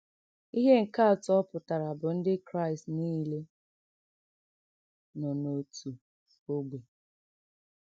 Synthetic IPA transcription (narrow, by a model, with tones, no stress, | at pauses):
i˦ɦe˦ŋ̩˨ka˦˨tɔ˦pʊ˨ta˨ɾa˨bʊ˨n̩˦dɪ˦kɾa˦ɪ˨stniː˦le˦ | nɔ˨no˨tʰu˨ | o˦ɡ͡be˨